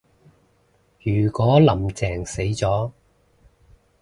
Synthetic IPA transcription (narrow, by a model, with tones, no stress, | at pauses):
jyː˨˩kɔː˨˥lɐ˨˩mt͡sɛː˨˩ŋse˨˥jt͡sɔː˨˥